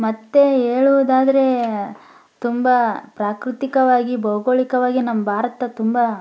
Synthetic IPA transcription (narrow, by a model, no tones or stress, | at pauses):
mɐt̪ːe̞eːɭuʋud̪aːd̪ɐɾe̞ | t̪umbapɾaːkɾut̪ikɐʋaːɡibɐwɡoːɭikɐʋaːɡinɐmːɐbʱaːɾɐt̪ɐt̪umba